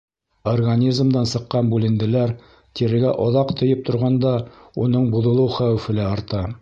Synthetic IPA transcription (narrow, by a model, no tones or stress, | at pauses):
orɡanʲizmd̪ɑnsɤ̆qːɑnbʉlɘ̆nd̪ɘ̆læɾ | t̪iɾɘ̆ɡæʔɒðɑqt̪ʰŏjɤp̚t̪ŏɾʁɑnd̪ɑunɤɴbuðɤ̆lˠɤwχæwɘfɘ̆læɒɾt̪ɑ